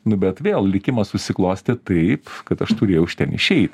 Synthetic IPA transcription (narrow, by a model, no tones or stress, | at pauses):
nʊbʲɛt̪ʋʲeːlˠlʲɪkʲɪmɐssʊsʲɪklˠoːsʲt̪ʲɪt̪ɐɪpkɐt̪ɐʃt̪ʊɾʲeːjɛʊʊʃʲt̪ʲɛnɪ̰ʃʲɛɪt̪ʲ